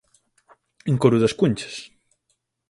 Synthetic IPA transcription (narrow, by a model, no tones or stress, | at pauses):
eŋkoɾuðɐskuɲt͡ʃɐ̥s